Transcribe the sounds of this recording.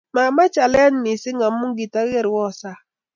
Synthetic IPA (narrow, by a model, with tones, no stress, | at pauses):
ma˨ma˦t͡ʃa˨lɛ˦a˦n˨˦ni˨sɪ˦ŋa˨m˦mu˦ŋ˦ɡi˨ta˦ɣe˦˨ɾwɔ˦˨sa˦